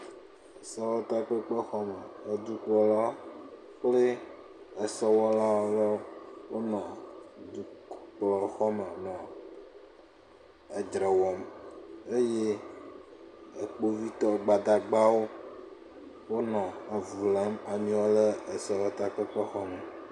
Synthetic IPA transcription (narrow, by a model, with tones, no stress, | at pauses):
e˨sɔ˦wɔ˦t̪a˦k͡pe˦k͡pe˦xɔ˦me˨e˨d̪u˦klɔ˨la˦ | k͡ple˦ | e˨sɔ˦wɔ˦la˦wo˦le˦wo˦nɔ̃˨d̪u˨k͡plɔ˨xɔ˦me˨nɔ̃˨ | e˨d͡ʒɾe˨wɔ˨me˦je˦ | e˨k͡po˦vi˦t̪ɔ˦ɡ͡ba˨d̪a˨ɡ͡ba˦wo˦ | wo˦nɔ̃˨a˨vu˨la˦ma˨mĩ˦wo˦le˦e˨sɔ˨wɔ˦t̪a˦k͡pe˦k͡pe˦xɔ˦me˨